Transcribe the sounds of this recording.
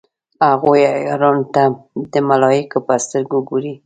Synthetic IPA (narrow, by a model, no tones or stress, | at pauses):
haɣojajɾɑnt̪ad̪əmalɑjɪkopəst̪əɾɡuɡoɾi